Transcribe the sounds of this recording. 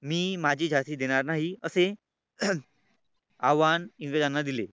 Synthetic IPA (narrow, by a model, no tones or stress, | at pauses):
miːmad͡ʑʱiːd͡ʑʱat̪iːd̪eɽ̃aɾnaɦiəse | aʋanĩŋʋed͡ʑanːad̪ile